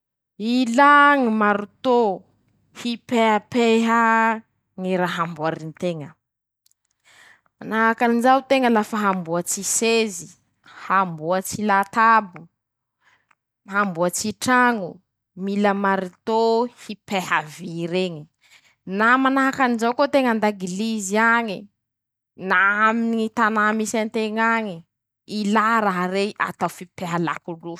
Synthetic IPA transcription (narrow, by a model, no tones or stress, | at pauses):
ilaŋimaɾut̪o | hipeapeɦa | ŋiɾaɦambuaɾinit̪eŋə | manaɦakanizawt̪eŋəlafəɦambuat͡sisezi | hambuət͡silat̪abu | ɦambuət͡siʈ͡ʂaŋu | miləmaɾit̪ohipehaviɾeɲi̥ | namanaɦakanizawkot̪eŋand̪aɡiliziaɲi | naaminiit̪anamisant̪eŋaɲi | ilaɾaɦaɾeʔa̰t̪awfipeɦala̰kuɖ͡ʐu